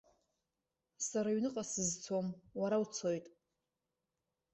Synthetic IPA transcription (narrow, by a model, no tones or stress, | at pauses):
saɾaɥnɨqʼasɨzt͡sʰomwaɾawt͡sʰo̞jtʼ